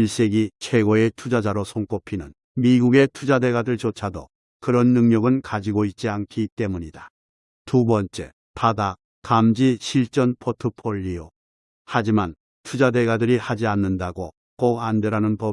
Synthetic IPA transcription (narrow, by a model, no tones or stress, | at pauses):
iɭs͈e̞ɡit͡ɕʰwe̞ɡoe̞tʰud͡ʑad͡ʑaɾosʰoŋk͈opʰinɯn | miɡuɡe̞tʰud͡ʑade̞ɡadɯɭt͡ɕot͡ɕʰadʌ | kɯɾʌnːɯŋɲʌɡɯnkad͡ʑiɡoit̚t͡ɕ͈iankʰit͈e̞muɲida | tubʌnt͡ɕ͈e̞̰ | pada | kamd͡ʑiɕʰiɭt͡ɕ͈ʌnpʰotʰɯpʰoʎːio | had͡ʑiman | tʰud͡ʑade̞ɡadɯɾihad͡ʑianːɯndaɡo | k͈oɡandeɾanɯnpʌ